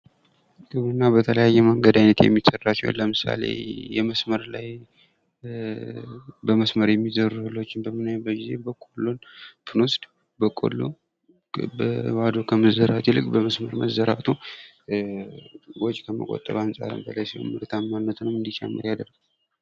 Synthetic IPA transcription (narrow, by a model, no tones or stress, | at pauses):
ɡɨβunːabət̪ʰələjajːɛməŋɡəd̪ajnət̪jɛ̰mːisərːat͡ʃːɛ̰w̰nləmɨsa̰lḛjɛməsməɾlaj | bəməsməɾjɛmːizəɾhɨlo̞t͡ʃːɪnbəmɨnajbəɡize̞bəkʼolːo̞npʰɨno̞st̪ | bəkʼo̰lːo̰ | bəwad̪okʰəməzəɾat̪ilɨkʼbəməsməɾməzəɾat̪ʰu | wɔt͡ʃʼkʰəmə̰kʼo̞̰t̪ʼːəɾansʼa̰ɾɨ̰mbəlajsilo̰mːɨɾt̪ʰamːanːət̪nəwɨnd̪it͡ʃʰɛ̰mːə̰ɾjad̪əɾɡ